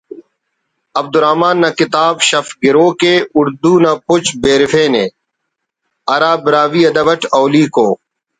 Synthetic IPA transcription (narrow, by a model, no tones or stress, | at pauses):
ɐb̚d̪uɾaːmaːnːɐkɪt̪aːbɕɐfɡɪɾoːkeːʊɾd̪uːnapʊt͡ɕbeːɾɪfeːneː | ɐɾaːbɪɾaːʋiːɐd̪ɐbɐʈɐːliːkoː